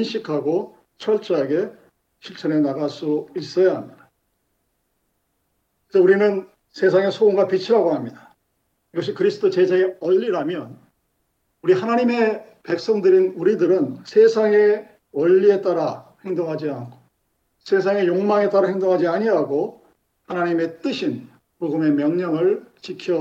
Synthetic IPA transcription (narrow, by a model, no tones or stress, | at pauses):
inɕʰikʰaɡo | t͡ɕʰʌɭt͡ɕ͈ʌɦaɡe̞ | ɕʰiɭt͡ɕʰʌɾenaɡas͈uis͈ʌjaɦamɲid̥a | kisʌuɾinɯn | sʰe̞s̬ʰaŋe̞sʰooŋɡapit͡ɕʰiɾaɡoɦamɲida | iɡʌɕ̬ʰikɯɾisʰɯtʰot͡ɕed͡ʑeɡeʌʎːiɾamjʌn | uɾihanaɲime̞ | pe̞k̚s͈ʌŋdɯɾinuɾidɯɾɯnsʰe̞sʰaŋe̞ | wʌʎːie̞t͈aɾahe̞ŋdoŋɦad͡ʑiankʰo̥ | sʰe̞sʰaŋe̞joŋmaŋe̞t͈aɾahe̞ŋdoŋɦad͡ʑiaɲiɦaɡo | hanaɲime̞t͈ɯɕʰin | poɡɯme̞mjʌŋɲʌŋɯɭt͡ɕikʰjʌ